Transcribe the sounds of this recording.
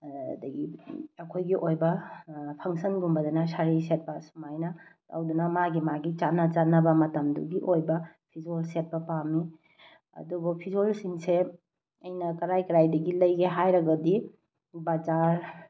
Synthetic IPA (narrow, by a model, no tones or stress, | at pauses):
dɐɡiɐkʰojɡiʔojbɐpʰɐŋsɐnɡumbɐdɐnɐsaɾiset̚pɐsumajnɐta̰wdunɐmaɡimaɡit͡ʃanːɐt͡ʃanːɐbɐmɐtɐmdṵɡiʔojbɐpʰizolset̚pɐpami | ɐ̰dubupʰizolsiŋse | ɐjnɐkɐɾajkɐɾajdɐɡilɐjɡeɦajɾɐɡɐdi | bad͡ʒaɾ